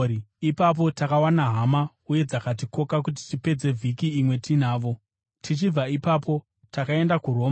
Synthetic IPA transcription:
iipap̬o̞takawanaɦama | uje̞d͡zakat̬iko̞kak̬ut̬i̥tipe̞d͡ze̞vʱikiːmwe̞tinaːʋo̞ | tʰit͡ʃib͡vaipapo̞ | takae̞ndakuɾo̞ːm

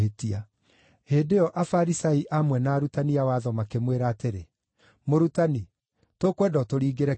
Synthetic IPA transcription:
etia | heːdeɔʔafaɾisaiʔamwɛnaːɾutaniawaːðɔmakemweɾateɾe | moɾutani | tokwɛdɔtoɾiːɡeɾɛ

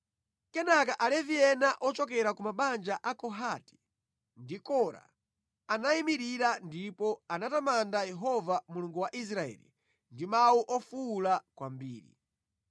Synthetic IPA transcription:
kɛnakaʔalɛviɛnaʔɔt͡ʃɔkɛɾakumaɓand͡ʒaʔakɔɦati̥ | ndikɔɾa̰ | anaimiɾiɾandipɔanatamandajɛɦɔvamuluŋɡuwaʔis̬ɾaɛ̰lḭ | ndimawuʔɔfuːlakwambiːɾḭ

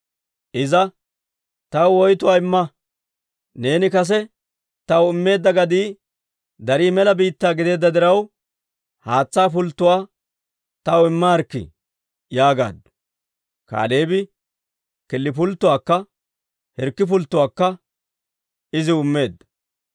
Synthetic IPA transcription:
ʔɪzɐ | t̪ɐwɔjt̪ʊwaːɪmːɐ | ne̞ːnɪkɐs̬ɛ | t̪ɐwɪmːe̞ːd̪ːɐɡɐd̪iː | d̪ɐɾiːmɛlɐbiːt̪ːaːɡɪd̪e̞ːd̪ːɐd̪ɪɾɐw | haːt͡sːaːp̬ʊlt̪ːʊwaː | t̪ɐwɪmːɐɐɾkːɪ̰ | jaːɡa̰ːd̪ | ka̰ːleːbɪ | kɪlːɪp̬ʊlt̪ːʊwaːkːɐ | hɛɾkːɪp̬ʊlt̪ːʊwaːkːɐ | ɪzɪʊmːe̞ːd̪ːɐ

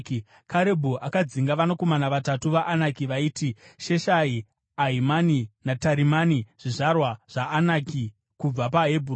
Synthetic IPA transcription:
k | kaɾe̞bʱoʔakad͡ziŋɡaʋanako̞manaʋatatuʋaʔːnakiʋaiːtiʃeʃai | aɦimaninataɾimaniʐ̥iʐarwaʐ̥aʔːnaki | kub͡vapaɦebʱur

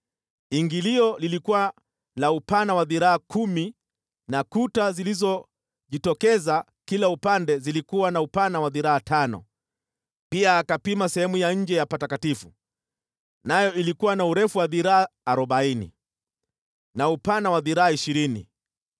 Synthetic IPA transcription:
iŋɡiliɔlilikuwa | naupanawaðiɾaakumi | nakutazilizɔ | ʄitɔkɛza | kilaupandɛzilikuwanaupanawaðiɾaatʰanɔ̰ | piaːkapimasɛhɛmujaɲ̩d͡ʒɛjapatakatifu | najɔilikuwanauɾɛfuwaðiɾaaːɾɔɓainḭ | naupanawaðiɾaaiʃiɾinḭ

